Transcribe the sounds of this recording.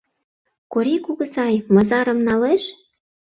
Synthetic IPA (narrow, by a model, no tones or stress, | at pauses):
koɾʲikuɣɤ̆zɑjmɤ̆zɑɾɤ̆mnɑleʃ